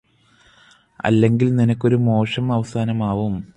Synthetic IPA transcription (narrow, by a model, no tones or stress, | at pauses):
ɐ̰lːe̞ŋɡilninɐkʲːo̞ɾumo̞ːʂɐmɐʋɐsaːnɐmaːʋum